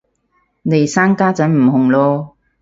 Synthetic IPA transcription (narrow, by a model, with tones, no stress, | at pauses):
ne˨˩jsaː˥nkaː˥t͡sɐ˨˥nm̩˨˩hʊ˨˩ŋlɔː˧